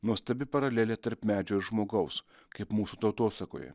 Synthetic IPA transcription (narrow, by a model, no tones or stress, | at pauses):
nuɔst̪ɐbʲɪpɐɾɐlʲeːlʲɛt̪ɐɾpmʲæːd͡ʒʲɛɪɾʒmoːɡɐʊs | kɐɪpmuːsut̪ɐʊt̪oːsɐko̰ːjɛ̰